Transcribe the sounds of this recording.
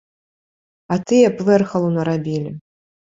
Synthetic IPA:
ɐt̪ɨjɛplɛrxɐlˠunɐɾabʲilʲi

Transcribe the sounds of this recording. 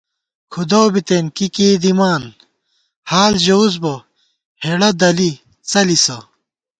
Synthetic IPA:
kʰud̪owbit̪eːnkikiːd̪imaːn | haːlʑɐuzbɐ | heɽɐd̪ɐli | t͡sɐlisɐ

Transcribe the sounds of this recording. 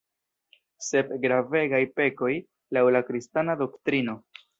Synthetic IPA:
se̞p̚ɡɾave̞ɡajpe̞ko̞j | lawlakɾistanado̞ktɾino̞

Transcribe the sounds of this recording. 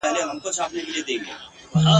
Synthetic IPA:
ɛɦleɦɐmkot͡ʃʰaːpnekelied̪ẽːŋɡeː | a

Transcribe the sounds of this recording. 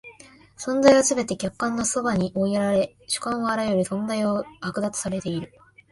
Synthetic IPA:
sõ̞nzaiβasɨbe̞t̪e̞kʲakːãnːo̞so̞baɲ̟iʔoieɾaɾe̞ | ɕɨ̥kãɰ̃oaɾajo̞ɾʲisõ̞nzaiohakɯ̟d̪at͡sɨ̥saɾe̞t̪e̞iɾɯ̟

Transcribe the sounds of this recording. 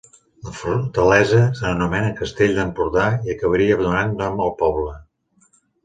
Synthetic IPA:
ləfut̪əlɛzəsəənumɛnəkəst̪eʎʲd̪əmpuɾðaiəkəβəɾiəβənunanːɔməlˠpɔβlə

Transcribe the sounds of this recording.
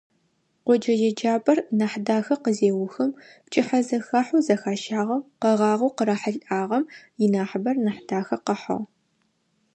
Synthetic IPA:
qʷɔd͡ʒɐjɛd͡ʒaːbʼɐrnɐħdaːxɐqəzeːwʊxɐmpt͡ʃʼɪħɐzɐxaːħuzɐxaːʃaːʁɐwqəʁɑːʁɐwqəɾɐħəɮʔaːʁɐmjɪnaːħbɐrnɐħdaːxɐqəħɐ̰ʁ

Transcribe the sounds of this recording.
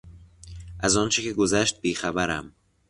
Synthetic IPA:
ʔæzɒːnt͡ʃʰecʰe̞ɡo̞zæʃt̪̚biːxæbæɾæm

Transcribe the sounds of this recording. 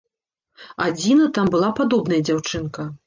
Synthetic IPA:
ad͡zʲinɐt̪ambɨlˠapad̪ɔbnɐjɐd͡zʲawt͡ʂɨnkɐ

